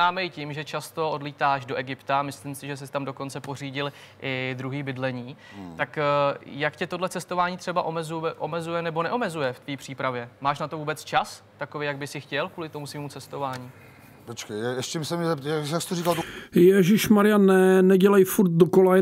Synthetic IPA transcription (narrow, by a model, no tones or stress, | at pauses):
aːmɛjcimʒɛt͡ʃast̪o̞ʔo̞dliːt̪aːʃdoʔɛɡɪpt̪amɪslimsɪʒɛs̬ɪst̪amdo̞ko̞nt͡sɛpo̞r̝iːɟɪl | ʔɪd̪ɾuɦiːbɪdlɛɲiː | t̪akjakcɛt̪o̞dlɛt͡sɛst̪o̞vaːɲiːt̪r̥ɛbaʔomɛzuɛʔo̞mɛzujɛnɛbo̞nɛʔo̞mɛzujɛft̪viːpr̝̥iːpɾavjɛmaːʃnat̪o̞vuːbɛt͡st͡ʃast̪akovejaɡ̚bɪsɪxcɛlkvuːlɪt̪o̞musviːmut͡sɛst̪o̞vaːɲiː | pot͡ʃkejɛɛst͡ʃɛmsɛmɲɛzɛpt̪jat͡ʃast̪orikalt̪jɛʒɪʃmaɾɪjanːɛnɛɟɛlajfuɾt̪̚dokola